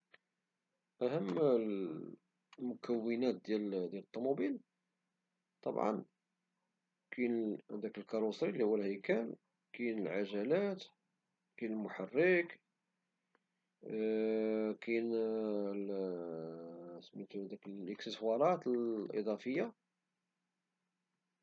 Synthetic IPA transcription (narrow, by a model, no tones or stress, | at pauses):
ʔæhəmː | mʊkəwːənæt̪̚d̪jæld̪jælət̪ˤːumubil | t̪ˤɑ̰bʕɑ̰n | kʰind̪ækəlkɑɾusɾilːihuwːəlhæjkæl | kijnəlʕaʒælæt̪ | kinəlmʊħarːək | kin | smæt̪ud̪ækəəksəswɑɾˤɑt̪əlʔḭd̪ˤɑfəjːa